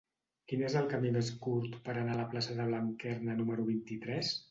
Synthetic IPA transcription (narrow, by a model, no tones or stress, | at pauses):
kinezəlˠkəmimeskuɾt̪pəɾənaləplasəðəβ̞laŋkɛrnənuməɾuβ̞int̪it̪ɾɛs